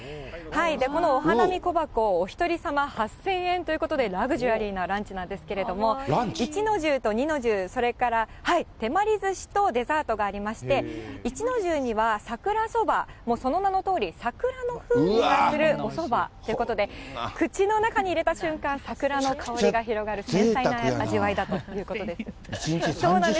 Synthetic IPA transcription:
haid̪e̞ko̞no̞ːɦanamʲiko̞bako̞ːçʲi̥t̪o̞ɾʲisamahasẽ̞ɰ̃ẽ̞nt̪o̞jɯ̟ko̞t̪od̪e̞ɾaɡɯ̟ʑɯaɾʲiːnaɾãɲ̟t͡ɕinãnd̪e̞sɨ̥ke̞ɾe̞d̪o̞mo̞it͡ɕino̞ʑɨːt̪o̞ɲ̟ino̞ʑɨːso̞ɾe̞kaɾahait̪e̞maɾʲizɨɕi̥t̪o̞d̪e̞zaːt̪o̞ɡaːɾʲimaɕi̥t̪e̞it͡ɕino̞ʑɨːɲ̟iβasakɯ̟ɾaso̞bamo̞ːso̞no̞nano̞t̪o̞ːɾʲisakɯ̟ɾano̞ɸɯ̟ːiɡasɨɾɯ̟o̞so̞bat̪oiɯ̟ko̞t̪od̪e̞kɯ̟t͡ɕino̞nakaɲ̟iːɾe̞t̪aɕɨ̃ŋkãɰ̃sakɯ̟ɾano̞kʰao̞ɾiɡaçiɾo̞ɡaɾɯ̟sẽnt̪ainaaʑiβaid̪at̪o̞jɯ̟ːko̞t̪od̪e̞sɨ̥ | iĩɲso̞ːnãd̪e

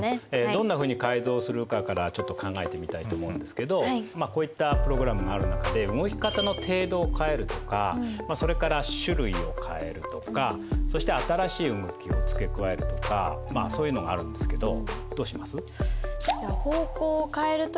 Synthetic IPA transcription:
ed̪õ̞nːaɸɯ̟ːɲ̟ikaizo̞ːsɨɾɯ̟kakaɾat͡ɕo̞t̪ːokʰãŋɡae̞t̪e̞mʲit̪ait̪oːmo̞ɯ̟̃nd̪e̞sɨ̥ke̞d̪o̞mako̞ːit̪ːapɯ̟ɾo̞ɡɯ̟ɾamɯ̟ɡaːɾɯ̟nakad̪eɯŋoçʲi̥kat̪ano̞t̪ʰe̞ːd̪o̞ːkʰae̞ɾɯ̟t̪o̞kamaso̞ɾe̞kaɾaɕɨɾɯ̟io̞̰kʰae̞̰ɾɯ̟t̪o̞ka | so̞ɕi̥t̪e̞at̪aɾaɕiːɯŋokʲio̞t͡sɨ̥ke̞kɯ̟βae̞ɾɯ̟t̪o̞̥ka̰masoːjɯ̟no̞ɡaːɾɯ̟̃nd̪esɨ̥ke̞d̪o̞d̪̥oːɕimasɨ | aho̞ːko̞ːokaeɾɯ̟t̪

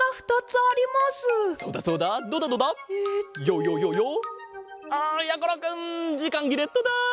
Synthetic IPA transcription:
aɸɯ̟̥t̪at͡sɨaɾʲimasɨsoːd̪aso̞ːd̪ad̪oːd̪ad̪oːd̪a | joːjoːjojo | ajakoɾakɯ̃nd͡ʑikãŋɡʲiɾet̪ːod̪a

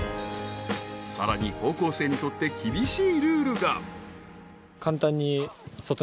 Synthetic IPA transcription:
sa̰ɾa̰ɲ̟iho̞ːko̞ːse̞ːɲ̟it̪o̞t̪ːe̞kʲibʲiɕiːɾɯ̟ːɾɯ̟ɡa | kʰãnt̪ãɲ̟ːiso̞t̪o

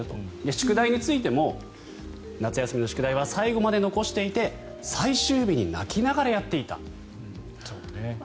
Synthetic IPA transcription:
t̪od̪e̞ɕi̥kɯ̟d̪aiɲ̟it͡sɨit̪e̞mo̞ | nat͡sɨjasɨmʲino̞ɕɨ̥kɯ̟d̪aiβ̞asaiɡo̞mad̪e̞no̞ko̞ɕi̥t̪e̞it̪e̞ | saiɕɨːbʲiɲ̟ina̰kʲinaɡaɾajat̪ːe̞it̪a̰ | sone

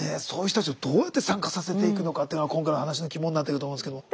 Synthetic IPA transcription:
esoːɯ̟t̪otːat͡ɕiod̪o̞ːjat̪ːe̞sãŋkasase̞t̪e̞ikɯ̟no̞kat̪ːejnoakõ̞ŋkainohanaɕ̬inokʲimõɲʲinːat̪̬ːekɯtomõnesked̪om

